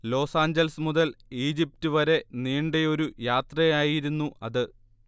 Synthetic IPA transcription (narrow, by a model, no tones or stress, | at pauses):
lo̞ːsaːɲd͡ʑɐlɐsmuðɐliːd͡ʑip̚tuʋɐɾe̞niːɳɖejo̞ɾujaːt̪rɐjaːjiɾunːuʔɐðɨ